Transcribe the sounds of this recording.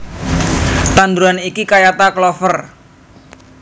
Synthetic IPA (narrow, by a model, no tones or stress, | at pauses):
t̪and̪ɾuanikikajat̪aklɔfər